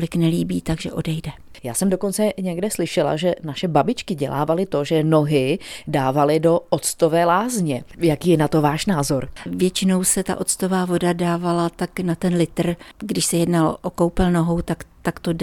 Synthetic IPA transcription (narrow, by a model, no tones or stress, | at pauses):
lɪknɛliːbiːt̪aɡʒɛʔo̞dɛjdɛ | ja̰ːsɛmdoko̞nt͡sɛɲɛɡdɛslɪʃɛla̰ʒɛnaʃɛbabɪt͡ʃkɪɟɛlʔa̰ːvalɪt̪o̞ʒɛno̞ɦɪdaːvalɪdo̞ʔot̪st̪ovɛːlaːzɲɛjakiːjɛnat̪o̞vaːʃnaːzo̞ɾvjɛt͡ʃɪno̞wsɛt̪a̰ʔo̞t̪t͡st̪o̞vaːvo̞dadaːvalat̪aknat̪ɛnlɪt̪r̩ɡdɪʃsɛjɛdnalʔoko̞wpɛlno̞ɦo̞wt̪akt̪akt̪o